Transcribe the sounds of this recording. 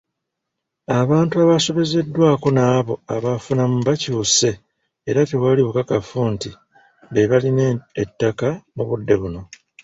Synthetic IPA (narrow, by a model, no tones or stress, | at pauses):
aβaːntuaβaso̞βe̞ze̞dːwaːko̞naːβo̞aβafunamuβaciuse̞ː | ɾateβwaliβukakafuːnti | βeβalinetːakamuβudːe̞βuno̞